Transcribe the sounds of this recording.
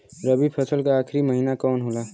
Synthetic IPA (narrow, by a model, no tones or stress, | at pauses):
ɾəbipʰɐsəlkaaːkʰɾimɐɦiːnakɔːnɦoːlaː